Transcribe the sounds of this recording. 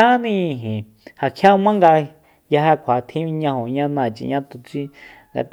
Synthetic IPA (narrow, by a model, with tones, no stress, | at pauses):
a˦nĩ˦˧˨ɦĩ˨ | ha˨kʰja˦mã˦ŋɡa˧ | ja˧ɦa˧kʷʰa˨t̪ʰĩ˦ĩ˧ɲã˧ho˨ɲã˦nãː˧˨t͡ʃḭ˧˨ɲã˦t̪u˧t͡si˦ | ŋɡa̰˧t̪